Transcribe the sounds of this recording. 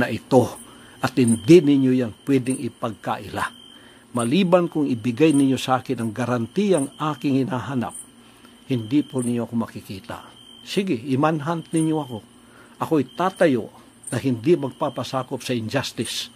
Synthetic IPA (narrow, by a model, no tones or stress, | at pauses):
nɐʔɪt̪o | ʔɐt̪hɪnd̪ɪnɪɲjojanpwɛd̪ɪŋɪpaɡ̚kaʔɪla̰ | mɐliːbankʊŋɪbɪɡajnɪɲjosɐʔaːkɪnɐŋɡɐɾant̪ijaŋʔaːkɪŋhɪnaɦana̰p̚ | hɪnd̪ɪponɪɲjoʔɐkomɐkɪkiːt̪a̰ | siɡɪɪmanɦant̪nɪɲjoɐko̞ | ʔɐkoɐjt̪aːt̪ɐjo | nɐɦɪnd̪ɪmɐɡ̚papasaːkopsɐɪnd͡ʒast̪ɪs